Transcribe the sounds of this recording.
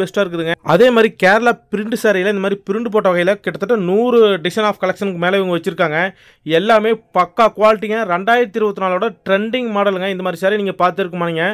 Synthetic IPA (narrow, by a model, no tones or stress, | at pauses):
ʋɛsʈaːɪɾɯkːɯðɯŋɡɐɐðeːmaːd̪ɾikeːɾlaːpɪɾɪɳɖɯsaːɾɐjɪlɐnd̪ɐmaːd̪ɾipɪɾɪɳɖɯp̬oːʈːɐʋɐɣɐɪjɪlɐkɪʈːɐt̪ːɯʈːɐnuːɾɯɖɪsɐnaːfkɐlɐkʂɐnɯkːɯmeːlɐʋɐŋɡɐʋɐt͡ʃːɪɾɯkːaːŋɡɐ | ɛlːaːmeːpɐkːaːkʊʋaːlɪʈ̬ːɪŋɐɾɛɳɖaːjɪɾɐt̪ːɪɾɯʋɐt̪ːɯnaːloːɽɐʈɾɛɳɖɪŋmaːɽɐlɯŋɡɐɪnd̪ɐmad̪ɾisaːɾiniːŋɡɐpaːɾt̪ɪɾɯkːɯmaːnɪŋɡɐ